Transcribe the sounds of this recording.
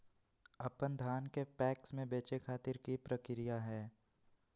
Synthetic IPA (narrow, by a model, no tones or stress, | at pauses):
ɐpənd̪ʱaːnkepɛːksmẽbeːt͡ʃekʰaːt̪ɪɾkipɾəkɪɾijaɦɛː